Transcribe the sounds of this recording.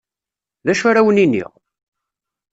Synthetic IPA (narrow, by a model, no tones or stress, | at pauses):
ðæʃaɾawəninːḭʁ